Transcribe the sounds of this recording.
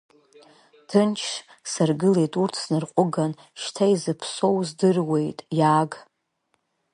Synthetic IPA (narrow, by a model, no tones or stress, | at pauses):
tʰɨnt͡ʃʰʂ | sarɡɨle̞jtʼurtʰznɨrqʷʼʊɡan | ʃtʰaizɨpʰso̞wzdɨrwe̞jtʼjaːɡ